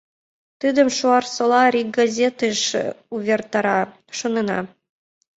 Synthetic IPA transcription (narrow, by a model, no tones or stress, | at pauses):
t̪ɨd̪ə̆mʃuɑrsɤ̆lˠɑɾʲiɡ̚ɡazʲet̪eʃuβʲert̪ɑɾɑ | ʃonɤ̆nɑ̰